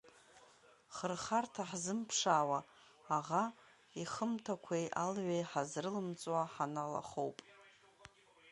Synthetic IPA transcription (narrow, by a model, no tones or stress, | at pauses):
χərχartʰaħzɨmpʰʂaːwaː | ʁa | iχəmtʰakʷʰejʔalʕʷejħazrɨlɨmt͡sʼwaħanala̰χowpʼ